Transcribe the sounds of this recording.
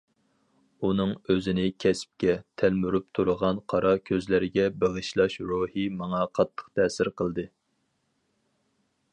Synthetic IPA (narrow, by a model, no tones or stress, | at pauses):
unɨŋøzɪnɪkʲʰɛsp̚kʲɛt̪ʰælmyɾyp̚t̪ʰuɾʊʁɑnqʰɑɾɑkʲʰøzlɪɾɪɡʲɛbeʁəʃlˠɑʃɾohimɑŋɑqʰɑt̪ʰːə̥χt̪ʰɛːsɪɾqəlˠd̪ɨ